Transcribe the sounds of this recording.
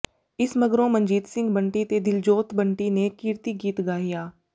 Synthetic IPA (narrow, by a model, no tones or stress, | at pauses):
ɪsməɡɾõːmə̃nd͡ʒiːt̪sɪ̃ŋɡbəɳʈiːt̪eːd̪ɪld͡ʒoːt̪bəɳʈiːnekɪɾt̪iːɡiːt̪ɡaːɦɪjaː